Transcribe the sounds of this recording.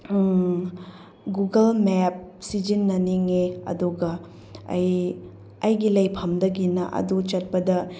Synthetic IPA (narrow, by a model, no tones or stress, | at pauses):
ɡuɡɐlmɛp̚sid͡ʒinːɐniŋeɐ̰duɡɐ | ɐ̰j | ɐjɡilɐjpʰɐmdɐɡinɐ̰ʔɐ̰dut͡ʃɐt̚pɐdɐ